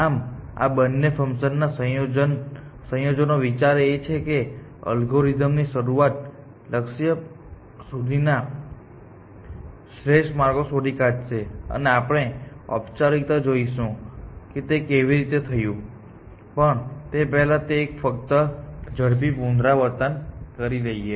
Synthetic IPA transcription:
ama̰bənːefʰəmʃənːasə̃jod͡ʒn | sə̃jod͡ʒənoʋit͡ʃaɾet͡ʃʰeke | ə̰lɡoɾid̪əmniʃəɾuat̪̚ | ləkʃjə | sud̪ʱina | ʃɾeʃʈmaɾɡosoɾikad͡ʒt͡ʃʰeə̰neapɽ̃eə̰pt͡ʃaɾik̚t̪ad͡ʒoiʃũket̪ekeʋiɾit̪et̪ʰəjũ | pəɳt̪epɛɦlat̪eːkfəkt̪əd͡ʒəɽp̬ipũnd̪ɾaʋəɾt̪ənkəɾiləie

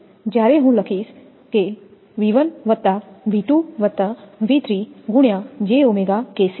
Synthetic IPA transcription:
d͡ʒjaːɾeɦũləkʰiːs | ke | ʋiʋənʋət̪ːaʋiʈ̪uʋət̪ːaʋiːt̪ɾiːɡʊɳ̃jad͡ʒeːomeɡakeːs

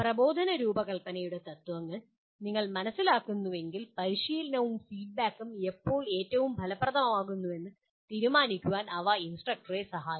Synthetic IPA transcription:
prɐbo̞ːd̪ʱɐnɐɾuːbɐkɐɭpɐnɐjuɽe̞t̪ɐt̪ːʋɐŋːɐɭ | niŋːɐɭmɐnɐsːilaːkːunːuʋe̞ŋɡilpɐɾiʂiːlɐnɐʋumfiːɖ̚baːkːume̞pːo̞ːɭe̞ːtːɐʋumbʱɐlɐprɐd̪ʱɐmɐmaːɣunːue̞nːɨ | t̪iːɾumaːnikʲːuʋaːnɐʋɐinsʈrɐk̚ʈɐresɐɦaːjɐ

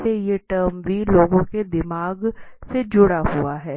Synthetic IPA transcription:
ejeʈəːɾmʋiːloːɡõked̪ɪmaːɡsed͡ʒʊɽaɦuaɦɛː

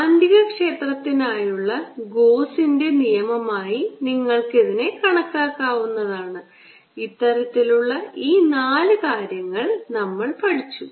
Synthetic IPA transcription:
ɐndiɣɐkʂe̞ːt̪rɐt̪ːinaːjuɭːɐɡo̞ːsinde̞nijɐmɐmaːjiniŋːɐɭke̞ðine̞kɐɳɐkːaːkːaːʋunːɐðaːɳɨ | it̪ːɐɾɐt̪ːiluɭːɐiːnaːlɨkaːɾjɐŋːɐɭnɐmːɐɭpɐɽit͡ɕːu

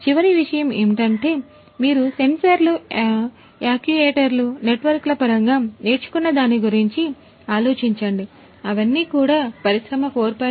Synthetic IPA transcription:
t͡ʃiʋɐɾiʋiʂɐjɐme̞̰ːmiʈɐɳʈe̞ː | miːɾuse̞nsɐɾlu | aːkjueːʈɐɾlune̞ʈʋɐɾklɐpɐɾɐŋɡaːne̞ːt͡ʃu̥kunːɐd̪aːnːiɡuɾiɲt͡ʃi | aːloːt͡ʃiɲt͡ʃɐɳɖi | ɐʋɐnːiːkuːɽaːpɐɾisɾɐmɐkoːɾpɐ

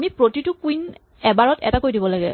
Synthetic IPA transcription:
mipɹotitʊkuin | ɛbaɹɔtɛ̰takojdibɔlaɡɛ̰

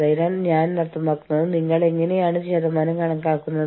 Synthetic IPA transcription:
ɐjinaːlɲaːnnɐrt̪ːɐmaːkːunːɐðɨniŋːɐɭe̞ŋːɐne̞jaːɳɨɕeðɐmaːnɐmkɐɳɐŋkaːkːunːɐ

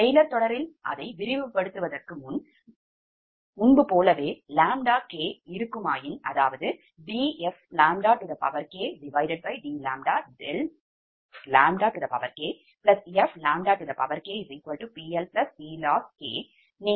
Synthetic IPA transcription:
ɛjlɐɾt̪ɔɽɐɾɪlʔɐ̰ðɐɪʋɪɾɪʋɯpːɐɽɯt̪ːɯʋɐðɐrkɯmʊn | ʊnbɯpoːlɐʋeːlaːmɖaːkeːɪɾɯkːɯmaːjɪnɐðaːʋɐðɯ | ɖiːɛflaːmɖaːʈɯðɐpɐ̰ʋɐɾkeːɖɪʋɐɪɖɛɖ̚bɐɪɖiːlaːmɖaːɖɛl | laːmɖaːʈɯðɐpɐʋɐɾkeː | plɐsɛflaːmɖaːʈɯðɐpɐʋɐɾkeːɪɾiːkʋɐlʈupiːɛlplɐspiːlaːskḛː | ne

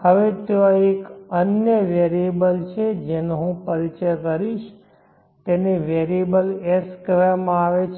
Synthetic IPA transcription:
həʋet̪eoekənjəʋeɾiebəlt͡ʃʰed͡ʒenoɦũpəɾit͡ʃəjkəɾiʃ | t̪eneʋeɾiebəleskʋemãaʋet͡ʃʰ

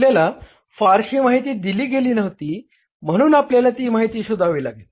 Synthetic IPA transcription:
ljala | faɾɕiːmaɦit̪iːd̪iliːɡeliːnəʋt̪iː | m̤əɽ̃uːnapljalat̪iːmaɦit̪iːɕud̪ʱaʋilaɡe

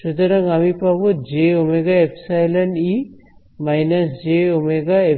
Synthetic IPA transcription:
ʃud̪aɾaŋamipabɔd͡ʒeɔmeɡaepʰsajlɐni | majnɐsd͡ʒeɔmeɡae

